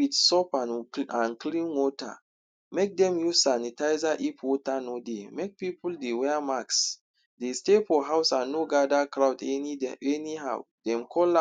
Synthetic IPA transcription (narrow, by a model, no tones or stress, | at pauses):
witsɔpãnãnklĩnwɔta̰ | mek̚dɛ̃mjusanitaɪzaʔipʰwɔtanodemek̚pipuldewɛamaks | destefɔɦaʊsãnːoɡadakɾawdɛɛniɦaw | d̥ɛ̃mkʰɔl